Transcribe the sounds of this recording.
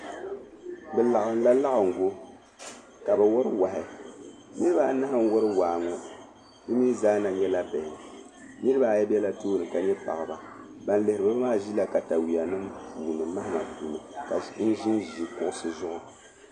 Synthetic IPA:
bɛ˨la˨ɣɨ˨n˦la˦la˦ɣɨ˨ŋ˨ɡo˦ | ka˨bɛ˨wɔ˦ɾɨ˦wa˨hɪ˨nɨ˦ɾɨ˦ba˨˦na˦ha˦n˦wɔ˦ɾɨ˦waː˨ŋɔ˦ | dɨ˦mi˦zaː˦na˨ɲɛ˦la˦bɛ˨hɪ˨ɨ˨ | nɨ˦ɨ˦ba˨jɛ˦bɛ˦la˦toː˦nɨ˨ka˨ɲɛ˦pa̰˨ɣɨ˨ba˨ | ba˨n˦lɨ˨hɪɾɨ˨ba˦maː˦ʒi˦la˨ka˨ta˨wi˨a˨nɨ˦mpʰuː˨nɨ˨ma˦hɪ˨ma˨du˨nɨ˨ka˨n̩˦ʒi˦nʒi˨kʊ˨ʔʊ˦sɨ˨zʊ˦ʔʊ˨

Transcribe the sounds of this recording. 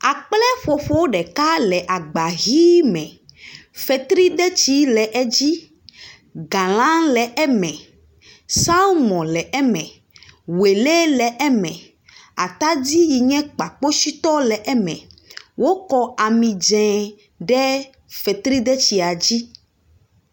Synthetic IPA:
a˨k͡plɛ˦ɸo˨ɸo˦wo˦ɖɛ˨ka˦lɛ˨ʔa˨ɡ͡ba˨ɣi˦mɛ̃˨fɛ˨t̪ɾi˦d̪ɛ˦t͡ɕi˦lɛ˨ʔɛ˦d͡ʑi˦ | ɡã˨l̃ã˦ŋlɛ˨ʔɛ˦mɛ̃˨ | sa˦mɔ̃˨lɛ˨ʔɛ˦mɛ̃˨ | we˨le˦lɛ˨ʔɛ˦mɛ̃˨ | a̰˨t̪a˦d͡ʑi˦ji˨ɲɛ̃˦k͡pa˨k͡po˦si˦t̪ɔ˦lɛ˨ʔɛ˦mɛ̰̃˨wo˦kɔ˦a˨mĩ˨d͡ʒɛ̃˨ | ɖɛ˦ | fɛ˨t̪ɾi˦d̪ɛ˦t͡ɕi˨a˨d͡ʑi˦

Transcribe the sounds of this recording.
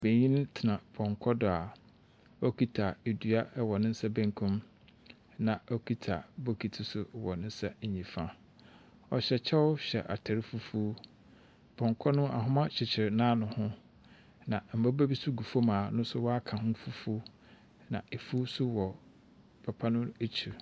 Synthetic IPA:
be˨ɲĩ˦nɪ̃˦tʰɪ˨nã˨bʰɔ̃˨ŋkʰɔ˦dɔ˨a˨ | ɔ˦kʰi˦tʰa˨e˨du˨a˦wɔ˨nɪ̃˦n̩˦sa˦bæ̃˦ŋkʰũ˦m | nã˨ɔ˦kʰi˦tʰa̰˨bo˦kʰi˨tʰɪ˨sʊ˨wɔ˨nɪ̃˦n̩˦sa˦˨ɲĩ˨fã˦ | ɔ˨ɕɛ˨t͡ɕʰɛ˦wʊ˦ɕᶣɛ̰˨ʔa̰˨tʰa˨ɾɪ˦fu˦fuː˦ | bʰɔ̃˨ŋkʰɔ˦nʊ̃˦ʔa̰˨ɦʊ̃˦mã˦t͡ɕʰɪ˨t͡ɕʰɪ˨ɾnãː˦nʊ̃˨hʊ̃˦ | nã˨m̩˨ba˦bæ˦bi˦sʊ˦ɡu˨fo˦mãː˨nʊ̃˦sʊ˦wɔ˦a˦kʰã˨hʊ̃˦fu˦fu˦ | nã̰˨e˨fu˦sʊ˦wɔ˨ | pʰa˨pʰa˦nʊ̃˦e˦t͡ɕʰu˨

